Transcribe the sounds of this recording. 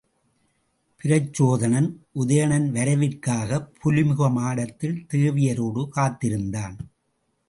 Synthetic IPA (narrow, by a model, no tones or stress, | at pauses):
pɪɾɐt͡ʃːoːðɐnɐnʔʊðɐjɐɳɐnʋɐɾɐʋɪrkaːɣɐpʰːʊlɪmʊɣɐmaːɽɐt̪ːɪlt̪eːʋɪjɐɾoːɽɯkaːt̪ːɪɾɯnd̪aːn